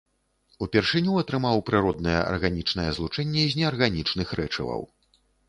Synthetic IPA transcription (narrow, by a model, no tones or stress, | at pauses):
upʲɛrʂɨnʲuɐt̪ɾɨmawpɾɨɾɔd̪nɐjɛ̰ʔɐ̰rɣanʲit͡ʂnɐjɛzlˠut͡ʂɛnʲːɛzʲnʲɛɐrɣanʲit͡ʂnɨxɾɛt͡ʂɐ̰vɐ̰w